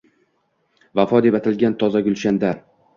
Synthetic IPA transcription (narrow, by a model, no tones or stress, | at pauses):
vafɒd̪epat̪ʰɪlɡʲant̪ʰɒzaɡʲʊlˠʃand̪aɾ